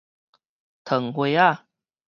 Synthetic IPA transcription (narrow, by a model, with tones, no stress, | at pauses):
t̪ʰə˨˩ŋhwe˧˦a˥˨